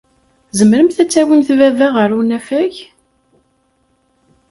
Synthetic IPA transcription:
zəmɾəmθæt͡sːæwinθvævæʁəɾunæfæç

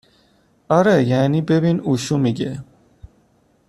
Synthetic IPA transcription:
aɾɛjaːnibebinuʃumiɡe

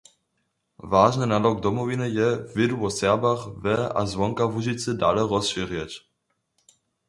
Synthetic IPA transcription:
vaːʒnənalɔk̚d̪ɔmɔvinəjɛvɪduɔsɛʁbaχvɛa̰zvɔŋkavuʒit͡sədalɛʁɔsʃiʁjɛt͡ɕ

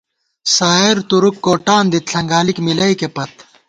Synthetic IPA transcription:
saːeɾt̪uɾukːoːʈaːnd̪it̪ɬɐŋɡaːlikmilɐikepɐt̪̚

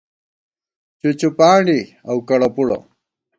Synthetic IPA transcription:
t͡ɕut͡ɕupaːɳɖi | ɐwkɐɽɐpuɽɐ̰

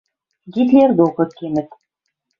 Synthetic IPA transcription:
ɡit̪lʲeɾd̪uʁɤkːemɘt̪

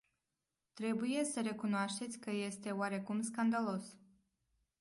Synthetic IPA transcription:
t̪ɾe̞buje̞səɾe̞kunoaʃt̪e̞t̪sʲkəje̞st̪e̞oaɾe̞kumskand̪alo̞s

